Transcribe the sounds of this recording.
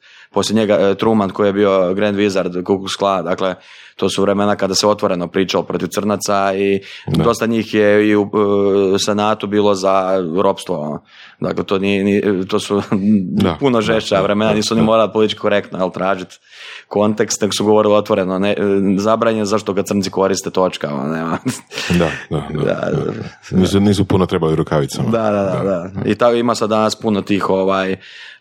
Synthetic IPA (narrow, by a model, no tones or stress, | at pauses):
po̞slʲjeɲeɡat̪ɾumanko̞ijebio̞ɡɾend̪ʋizaɾd̪kuksklˠad̪akle | t̪o̞ːsuʋɾemenakad̪aseo̞t̪ʋo̞ɾe̞no̞pɾiːt͡ʃalopɾo̞t̪iʋ̪sr̩nat̪saio̞st̪aɲiːxjeiu | senaːt̪ubiːlˠo̞zaɾo̞pst̪ʋo̰ | d̪a̰klet̪oːniɛniːt̪o̞ːsu | punoʒeʃt͡ʃaʋɾemenaniːsuonimoɾalipo̞lit̪it͡ʃki̥koɾe̞kt̪nojelt̪ɾaːʒit̪ | ko̞nt̪ekst̪neksuɡoo̞ɾilio̞t̪ʋoɾenonezabɾaːɲenzaʃt̪okad̪sr̩n̩t̪si̥ko̞ɾist̪et̪o̞t͡ʃkao̰n̰neːmad̪aaa̰ | nisniːsupunot̪ɾebaliuɾukaʋit̪sad̪ad̪ad̪ad̪aḭt̪akoimasad̪ːanaspunot̪iːxo̞ʋaːj